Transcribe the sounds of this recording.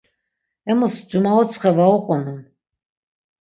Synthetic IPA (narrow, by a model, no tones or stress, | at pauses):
ɛmusd͡ʒumaɔt̪t͡sʰχɛvaɔqʼɔnun